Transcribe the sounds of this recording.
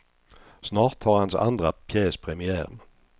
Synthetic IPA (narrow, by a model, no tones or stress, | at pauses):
snɑːʁt̪hɑːʁhɑnsɑ̰nd̪ʁəpʰjeːspʰʁɛmɪæːʁən